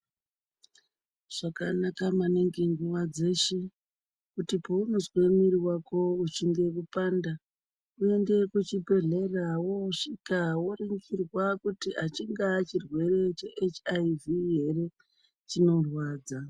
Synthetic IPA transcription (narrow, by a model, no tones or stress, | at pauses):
ʐ̥akanakamaneŋɡeŋɡuʋad͡ze̞ʃe | kutipounuzwe̞miɾiwakʰo̞ut͡ʃiŋɡe̞kupanda | ue̞nde̞kut͡ʃibʱe̞ɮe̞rawoʂikawoɾiŋɡirwakutiat͡ʃiŋɡat͡ʃirwe̞re̞t͡ʃeʔet͡ʃaiviɦere | t͡ʃino̞rwaːd͡za